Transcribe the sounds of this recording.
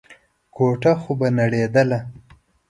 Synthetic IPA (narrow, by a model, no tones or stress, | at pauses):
kʰoʈaxobanaɽed̪əla